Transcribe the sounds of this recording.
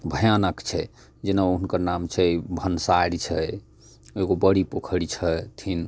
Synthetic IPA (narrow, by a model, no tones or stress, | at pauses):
bʱəjanəkt͡ʃʰɛ | d͡ʒenauɦnkəɾnamt͡ʃʰɛbʱənsaɽit͡ʃʰɛ | eɡobəɽipokʰəɽit͡ʃʰɛt̪ʰin